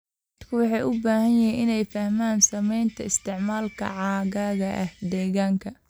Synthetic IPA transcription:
d̪ɐd̪kʰʊwɑħɑjʔʊbaːhɐnjɐɦɛjʔɪnɛjfɐhmaːnsɐmɛjnt̪ʰɐɪst̪ʰɪʕmaːlkʰɐ̰ʕɑːɣaːɣɐʔɐhd̪ɛːɣaːŋkʰɐ

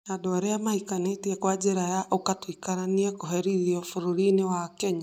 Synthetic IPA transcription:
jadɔaɾɛjamaikanetiɛkwad͡ʒeɾajaʔokatwikaɾaniɛkoɦeɾiðiɔfuɾuɾinewakɛɲa

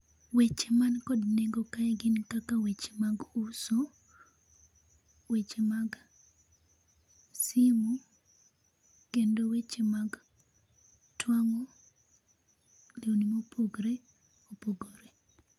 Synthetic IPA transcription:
wet͡ʃemankɔdneɡokaɛɡɪnkakawet͡ʃe̥maɡuso | wet͡ʃemaɡ | simu | kendowet͡ʃemaɡ | twaŋo | lionimopʰoɡɾe | opoɡoɾe

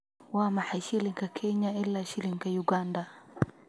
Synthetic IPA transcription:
wamaħaʃiliŋkakʰɛɲailːaʃiliŋkajuɡanda

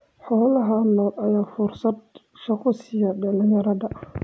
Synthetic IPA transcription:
ħɔːlɐɦɐnɔːlʔɐjaːfʊrsɐd̪ | ʃɐqʊsɪjɐɖɐlɪjɐɾɐðɐ

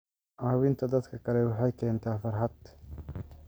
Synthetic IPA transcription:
ʔaːwɪnt̪ʰɐd̪ɐt̪kʰɐkɐlɛwɑħɑjkɛːnt̪ʰaːfɐɾɦɐd̪

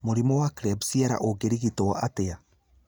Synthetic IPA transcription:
moɾimɔwakɾɛbsiɛɾa̰ʔoɡeɾiɣitoaʔatea

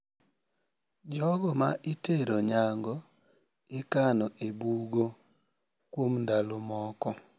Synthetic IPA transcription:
d͡ʒɔɡɔmaʔiteɾoɲaŋɡɔ | ɪkanɔʔebuɡo | kwomndalomɔkɔ

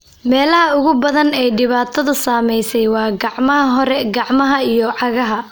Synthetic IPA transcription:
mɛːlɐhɐʊɣʊbɐðɐnɛːjɖɪβaːt̪ʰɐðʊsaːmɛjsɛjwɑːɡɑʕmɐɦɐɦɔɾɛɡɑʕmɐɦɐijɔʕɑɣɐɦɐ

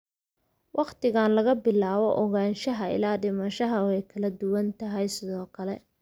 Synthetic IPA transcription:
wɑqt̪ɪɣaːnlɐɣɐbɪlaːβɔʔɔɣaːnʃɐɦɐɪ̰laːɖɪmɐʃɐɦɐɛjkʰɐlɐd̪ʊwɐnt̪ʰɐɦɛjsɪðɔːkʰɐlɛ

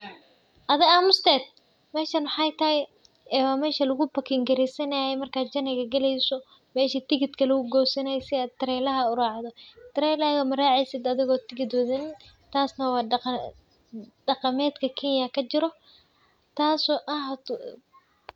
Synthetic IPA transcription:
ʔɐðɪaːmʊst̪ɛːd̪̚ | mɛːʃɐnʊħɑjt̪ʰɐhɪj | ɛːwaːmɛːʃɐlʊɣʊbɐkʰɪŋɡɐɾɪsɐnɐjɛmɐrkʰaːd͡ʒɐnɪɣɐɡɐlɛjsɔ | mɛːʃɐt̪ɪɣɪd̪kʰɐlɐɣʊɡɔːwsɐnɛjsɪaːd̪̚t̪ːɪɾɛːlɐɦɐʊɾaːʕd̪ɔt̪ʰɪɾɛːlɐɣɐmɐɾaːʕɛjsɪd̪ɐðɪɣɔːt̪ɪɣɪd̪wɐðɪn | t̪ʰaːsnɐwɑː | ɖ̥ɐqɑmɛːd̪kʰɐkʰɛnjɐkʰɐt͡ʃɪɾɔ | t̪ʰaːsɔːʔɐh̪

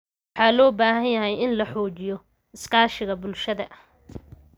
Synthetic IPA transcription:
wɑħɑːlɔːbaːɦɐnjɐɦɛjɪnlɐħɔːt͡ʃɪjɔ | ɪskʰaːʃɪɣɐbʊlʃɐðɐʔ

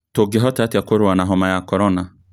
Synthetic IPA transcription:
toɡeɦɔtatakoɾʊwanaɦɔmajakɔɾɔna

